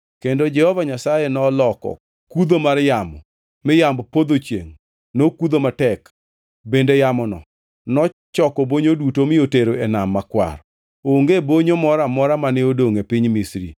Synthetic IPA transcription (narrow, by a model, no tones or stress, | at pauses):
kendod͡ʒɛhɔvaɲasajenɔlɔkɔ̰ | kud̪omarjamɔ̰ | mɪjambpod̪ot͡ʃjḛŋ | nokud̪omatɛk | bendejamɔnɔ̰ | nɔt͡ʃɔkɔboɲodutomɪoteɾoɛnamːakwa̰ɾ | oŋɡeboɲomɔɾamɔɾamanɪodoŋepiɲmisɾḭ